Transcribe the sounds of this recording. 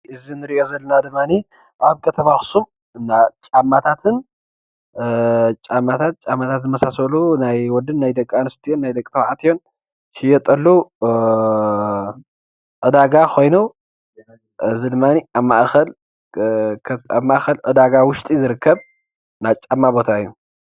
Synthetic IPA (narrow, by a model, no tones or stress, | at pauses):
ʔɨzinɨɾiʔo̞zɐlːɐnad̪ɨmːani | ʔaβkʰɐt̪ʰɐmaxsum | ɨnːat͡ʃʼamːat̪ʰat̪ʰɨn | t͡ʃʼamːat̪ʰat̪̚t͡ʃʼamːat̪ʰat̪zɨmɐsasɐlunajwɔd̪ɨnːajd̪ɐkʼanɨst̪ʰijonːajd̪ɐkʼt̪ʰɐβʕat̪ijo̞n | ʃɪjɛt̪ʼɐlːu | ʔɨd̪aɡaxʰo̞jnu | ɨzid̪ɨmːaniaβmaʔxɐl | a̰βmaʔxɐlʔɨd̪aɡawʊʃt̪ʼizɨɾɨkʰːɐβ | nat͡ʃʼamːabo̞t̪ʰaɨjːu